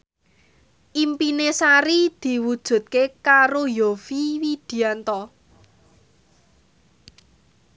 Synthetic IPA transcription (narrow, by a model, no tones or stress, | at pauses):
ʔimpinesaɾid̪̥i̤wud̥ʒ̥ṳt̪̚kekaɾojofiwid̪̥i̤ant̪ɔ